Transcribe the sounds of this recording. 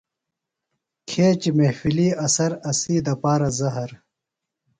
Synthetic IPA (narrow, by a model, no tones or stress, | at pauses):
kʰeːt͡ɕimehfiliːɐsɐɾɐsiːd̪ɐpaːɾɐzɐɦɐɾ